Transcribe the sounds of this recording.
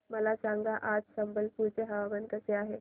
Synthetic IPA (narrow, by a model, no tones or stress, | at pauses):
məlasãŋɡaʔad͡zsəmbəlpuɾt͡seɦəʋabənkəseaɦe